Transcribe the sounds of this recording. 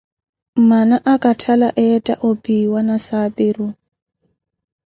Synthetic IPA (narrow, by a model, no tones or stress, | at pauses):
m̩manaʔakʼatʰalaʔɛtʼa̰ʔopʼiwanasapʼɪɾʊ